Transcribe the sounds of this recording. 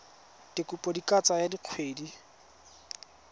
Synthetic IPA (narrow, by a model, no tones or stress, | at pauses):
d̥ɪkʼupʼɔdikʼat͡sajadiq͡χʰweːdi